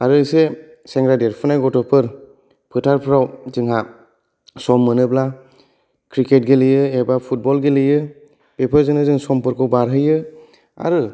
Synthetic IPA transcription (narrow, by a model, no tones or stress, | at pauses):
aɾɯse | seŋɡɾadeɾpʰɯnajɡɔtɔpʰɯɾ | pʰɯtʰaɾpʰɾawzɯŋɦa | sɔmːɯnɯbla | kʰɾiket̚ɡelɯjɯebapʰut̚bɔlɡelɯjɯ | pepʰɯɾzɯnɯzɯŋsɔmpʰɯɾkʰɔbaɾɦɯjɯ | a̰ɾɯ